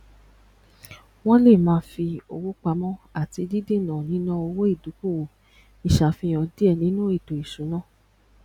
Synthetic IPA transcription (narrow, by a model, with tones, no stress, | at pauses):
w̃ɔ̃˦le˦˨mãː˨˦fi˧o̰˧wu˦k͡pa˧mɔ̃˦a˦˨ti˧di˦di˦˨nã˨nĩ˨˦nã˦o˧wo˦i˦˨du˨˦ku˦˨wo˨ | i˨ʃa˨fĩ˧˦ɔ̃˧di˦ɛ˦˨nĩ˨˦nũ˦i˦˨do˨i˨ʃũ˨˦nãː˦˨